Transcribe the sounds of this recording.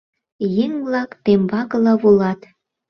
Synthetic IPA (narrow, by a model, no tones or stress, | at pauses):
jeŋβlɑkt̪embɑkəlɑβulɑt̪